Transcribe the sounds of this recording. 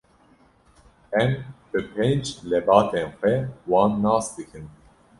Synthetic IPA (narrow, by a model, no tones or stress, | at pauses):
ɛmb̥ɨpʰeːnd͡ʒlɛbɑːt̪ʰeːnxʷɛwɑːnːɑːsd̪ɨkʰɨn